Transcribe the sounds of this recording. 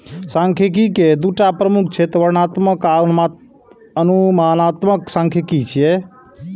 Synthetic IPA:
sãŋkʰek̬iked̪uʈapɾəmuk̚ʰt͡ʃʰɛt̪wəɾnat̪məkama | ənumanat̪məksãŋkʰekit͡ʃʰijɛ

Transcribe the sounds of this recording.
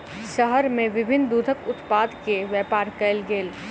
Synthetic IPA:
ʃəɦəɾmẽʋɪbʱɪnd̪uːd̪ʱəkʊt̪paːd̪keʋjɛːpaːɾkɛlɡeːl

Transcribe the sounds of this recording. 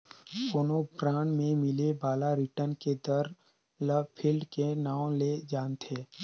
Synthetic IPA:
poːnopɾaːɳmẽmɪlebaːlaɾɪʈənked̪əɾ | ləpʰɪlɖkenaːõled͡ʒaːnt̪ʰeː

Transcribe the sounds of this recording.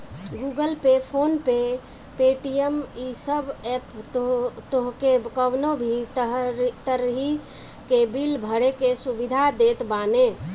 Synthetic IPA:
ɡuɡəlpepʰonpe | peʈijəmisəbɛp | t̪oɦkekəʋnobʱi | t̪əɾɦi | kebilbʱəɽekesubid̪ʱad̪et̪bane

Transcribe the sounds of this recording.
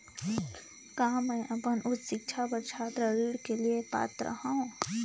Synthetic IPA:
kɐɦãmɛ̃ːʔɐpənʔʊt̪ʃɪk̚t͡ʃʰapəɾt͡ʃʰaːt̪ɾəɾiːɽkeliepa̰ːt̪ɾə̰ɦaɦũ

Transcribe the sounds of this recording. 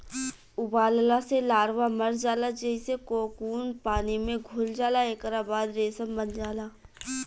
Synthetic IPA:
ʊbaːllaselaːɾʋaməɾd͡ʒaːlad͡ʒəisekoːkuːnpaːnimẽɡʱʊld͡ʒaːlaeːkɾaːbaːd̪ɾeːsəmbənd͡ʒaːlaː

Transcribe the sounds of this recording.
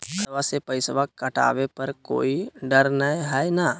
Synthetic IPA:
ɡʰʱɐʋasepɐɪsʋakɐʈa̰ːʋepɐɾko̰ːiɖəɾnəeɦɛjna

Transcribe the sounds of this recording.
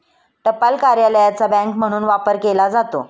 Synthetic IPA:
ʈəpalkaɾjaləjat͡sabɛ̃ŋkm̤əɽ̃uːnʋapəɾkelad͡zat̪o̰

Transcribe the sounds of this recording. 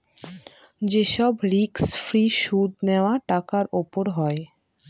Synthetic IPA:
d͡ʑeʃɔbɾiksfɾiʃud̪neoaʈakaɾopoɾɦɔe

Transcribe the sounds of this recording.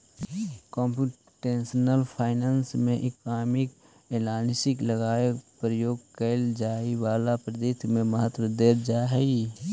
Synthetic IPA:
kɔ̃ːmpu | ʈeːsnəlpʰaːɪnansmẽʔɪkaːmɪk | eːlaːnsɪkləɡaːepɾəjoːɡ̚kəld͡ʒaːiwaːlapɾəd̪ɪt̪mẽməɦət̪wəd̪eːɾd͡ʒaːɦɛi

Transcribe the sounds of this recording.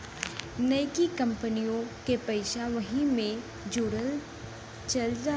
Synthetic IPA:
nɐjkikɐ̃mpənijõkepɐɪʃaʋɐɦĩmẽ | d͡ʒoːɽəl | t͡ʃɐld͡ʒaː

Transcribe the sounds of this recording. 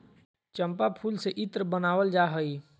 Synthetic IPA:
t͡ʃəmpapʰuːlseʔɪt̪ɾbənaːwəld͡ʒaɦəi

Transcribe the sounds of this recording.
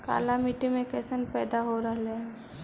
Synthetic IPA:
ka̰ːlamiʈimẽkɛːsənpɛːd̪aɦoɾəɦleɦɛ̃

